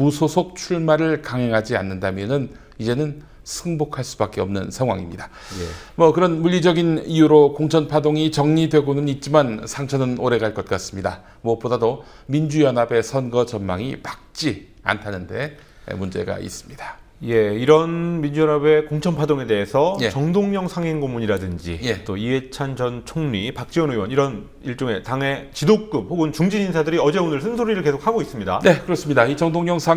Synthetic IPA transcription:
musʰosʰok̚t͡ɕʰuɭmaɾɯɭkaŋɦe̞ŋɦad͡ʑianːɯndamjʌnɯn | id͡ʑe̞nɯn | sʰɯŋbokʰaɭs͈ubak̚k͈e̞ʌmnɯnsʰaŋɦwaŋimɲida | j | mʌkɯɾʌnmuʎːid͡ʑʌɡinijuɾokoŋt͡ɕʰʌnpʰadoŋit͡ɕʌŋɲidwe̞ɡonɯnit̚t͡ɕ͈imansʰaŋt͡ɕʰʌnɯnoɾe̞ɡaɭk͈ʌt̚k͈as͈ɯmɲida | mwʌp͈odado | mind͡ʑujʌnabe̞sʰʌnɡʌt͡ɕʌnmaŋipak̚t͡ɕ͈i | a̰ntʰanɯnde̞ | ḛmund͡ʑe̞̰ɡa̰ḭs͈ɯ̥mɲid̥a | je̞iɾʌnmind͡ʑujʌnabe̞koŋt͡ɕʰʌnpʰadoŋe̞de̞ɦesʰʌjt͡ɕʌŋdoŋɲʌŋsʰaŋɦeŋɡomuɲiɾadɯnd͡ʑḭjet͈oie̞t͡ɕʰand͡ʑʌnt͡ɕʰoŋɲipak̚t͡ɕ͈iwʌnewʌniɾʌn | iɭt͡ɕ͈oŋe̞taŋe̞t͡ɕidok͈ɯp̚hoɡɯnt͡ɕuŋd͡ʑiɲinsʰadɯɾiʌd͡ʑe̞onɯɭsʰɯnsʰoɾiɾɯɭke̞sʰokʰaɡois͈ɯmɲida̰ne̞kɯɾʌs͈ɯmɲidait͡ɕʌŋdoŋɲʌŋsʰa

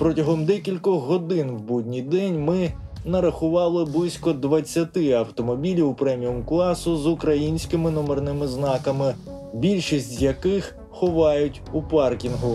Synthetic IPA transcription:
pɾɔtʲɐɦɔmd̪ɛkʲilʲkɔɦɔd̪ɪnwbudʲnʲijd̪ɛnʲmɪ | nɐɾɐxʊʋɑlˠɪblˠɪsʲkɔd̪ʋɐt͡sʲːɐt̪ɪɐwt̪ɔmɔbʲilʲiupɾɛmʲijɔmklˠɑsʊzʊkɾɐjinʲsʲkɪmɪnɔmɔrnɪmɪznɑkɐmɪ | bʲilʲʃisʲtʲzjɐkɪx | xɔʋɑjʊtʲupɑrkʲinɦʊ

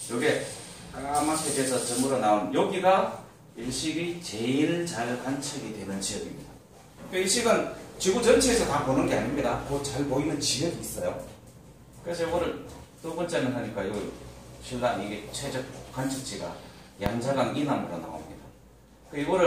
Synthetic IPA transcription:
joɡe̞ | amakʰetesʰʌt͡ɕʌmɯɾonaunjoɡiɡa | iɭɕ͈iɡit͡ɕe̞iɭt͡ɕaɭkant͡ɕʰʌɡidwe̞nɯnt͡ɕijʌɡimɲid̥a | ik͈aiɭɕ͈iɡɯnt͡ɕiɡut͡ɕʌnt͡ɕʰeesʰʌt̪aponɯnɡe̞aɲimɲidakot͡ɕaɭpoinɯnt͡ɕijʌbiːs͈ʌjo̰ | kɯesʰʌjoɡʌɾɯɭt͈oɡʌnt͡ɕ͈amɯnɦaɲik͈aiɡoɕʰilːaniɡet͡ɕʰwed͡ʑʌk͈ant͡ɕʰɯk̚t͡ɕ͈iɡa̰jaŋd͡ʑaɡaŋinamɯɾona̰o̰mɲḭd̥a | kɯiɡʌɾɯ

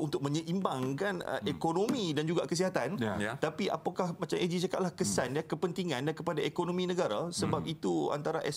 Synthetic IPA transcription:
unt̪ʊk̚mə̃ɲə̃ʔimbaŋkanə̰ekonõmidand͡ʒuɡakəs̬iɦat̪ant̪apiʔa̰pakahmat͡ʃamʔed͡ʒit͡ʃakat̪̚lahkəsanjakəpənt̪iŋãndankəpadaekonõmĩnə̃ɡaɾasəbap̚it̪ua̰nt̪aɾaʔɛs

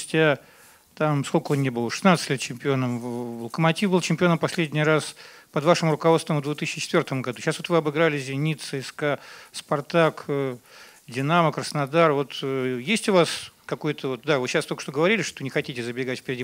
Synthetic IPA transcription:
ʊsʲtʲa | t̪amskokəonnʲebɨlˠəʂɨ̥snat̪sɨ̥tʲlʲet̪t͡ɕɪmʲpʲɪo̞nəmvəlˠəkəmɐtʲifbɨlˠt͡ɕɪmʲpʲɪo̞nəmpɐsʲlʲedʲnʲɪjɾaspəd̪vaʂɨmʊɾʊkɐvo̞t̪st̪vəmvd̪vʲet̪ɨsʲɪt͡ɕːɪ̥t͡ɕɪt̪vʲo̞rt̪əmɡɐd̪uɕasvot̪vɨɐbɨɡɾalʲɪzʲɪnʲit̪sɨɪskaspɐrt̪ak | dʲɪnaməkɾəsnɐd̪arvo̞t̪jesʲtʲʊvaskɐko̞jʊt̪ʰəvo̞t̪̚d̪avɨɕast̪okə̥ʂt̪oɡəvɐɾʲilʲɪʂt̪onʲɪxɐtʲitʲɪzəbʲɪɡatʲfʲpʲɪɾʲɪdʲi

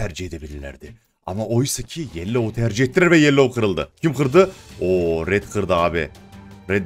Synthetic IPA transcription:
æɾd͡ʒied̪ebɪlelḛɾd̪e | ɑ̰mɑʔojsəkʲʰijelːewot̪ʰæɾʒiet̪ːɪɾæɾbejelːeoqʰəɾəlˠd̪ə̰kʲʰɪmqʰəɾd̪əwoɾet̪qʰəɾd̪əɑbḛɾed̪

